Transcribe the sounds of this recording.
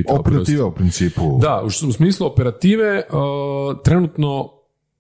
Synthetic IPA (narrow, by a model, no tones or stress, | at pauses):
t̪opeɾat̪iːʋeupɾint̪siːpud̪auʃomsmiːslˠuopeɾat̪iːʋe̞ət̪ɾe̞nut̪no̞